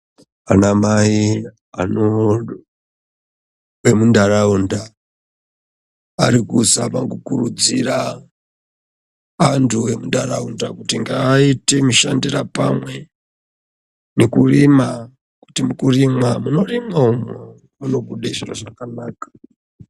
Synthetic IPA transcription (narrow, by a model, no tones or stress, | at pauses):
anamai | a̰no | we̞mundaraunda | ɾikusapaŋɡukurud͡zira | antʰuwe̞mundara̰undakutiŋɡaːitemuʃandirapa̰mwe̞ | nekurima | ku̥timukurimwamuno̞rimwaumo | muno̞ɡuɗeʐiro̰ʐakanaːkḁ